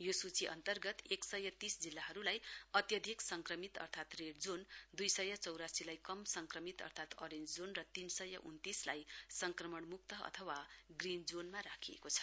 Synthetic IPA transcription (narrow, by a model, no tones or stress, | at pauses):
josut͡siʔʌ̰nt̪ʌrɡʌt̪eksʌjʌt̪isd͡zilːaɦʌɾulajʌt̪jʌd̪ʱiksʌŋkrʌmit̪ʌ̰rt̪ʰat̪reɽd͡zond̪ujsʌjʌt͡sʌwɾasilajkʌmsʌŋkrʌmit̪ʌ̰rt̪ʰat̪ʌɾend͡zd͡zonrʌt̪insʌjʌʔunt̪islajsʌŋkrʌmʌɳmuk̚t̪ʌʌ̰t̪ʰʌwaɡrind͡zonmaɾakʰiḛkot͡sʰʌ̥